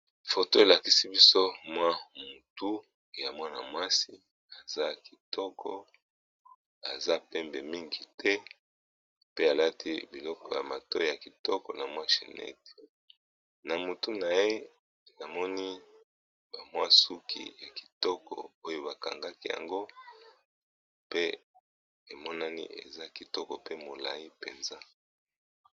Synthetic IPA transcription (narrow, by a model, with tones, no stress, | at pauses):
fo˨to˦e˨la˨ki˦si˦bi˦so˦mwa˦mu˨tu˦ | ja˨mwa˦na˨mwa˦si˦ | a˨za˦ki˨tɔ˦kʰɔ̰˦ | a̰˨za˦pɛ˦mbɛ˨mi˦ŋɡi˨tʰɛ˦ | pe˦a˨la˦ti˦bi˨lɔ˦kɔ˨ja̰˨ma˨tɔ˦˨ja˨ki˨tɔ˦kɔ̰˨na˨mwa˦ʃḛ˨nɛ̰˦te̥˨ | na˨mo˨tu˦na˨je˦ | na˨mɔ˦ni˦ | b̥a˨mwa˦su˦kḭ˨ja˨ki̥˨tɔ˦kɔ̰˨o˦jo˦ba˨ka̰˨ŋɡa˦ki˦ja̰˨ŋɡo˦ | pe˦ | e˨mɔ˦na˦nḭ˦ʔḛ˨za˦ki˨tɔ˦kɔ˨pe˦mo˨la˨ji˦pe˨nza˦